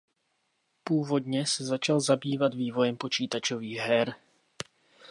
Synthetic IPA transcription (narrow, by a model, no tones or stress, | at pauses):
puːvo̞d̪ɲɛsɛzat͡ʃalzabiːvad̪viːvo̞jɛmpo̞t͡ʃiːt̪at͡ʃoviːɣɦɛɾ